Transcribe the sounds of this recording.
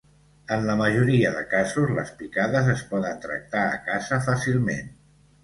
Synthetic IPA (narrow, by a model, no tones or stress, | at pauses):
ənləməʒuɾiəðəkazuzlə̰spikaðəzəspɔðənt̪ɾə̰k̚t̪aə̰kazəfasilˠmḛn